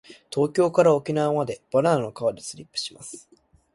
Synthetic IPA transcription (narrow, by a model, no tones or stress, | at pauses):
t̪o̞ːkʲo̞ːkaɾao̞kʲinamad̪e̞b̥aɾãokaβad̪ʲesɨɾʲipːɯ̥ɕima̰sɨ̥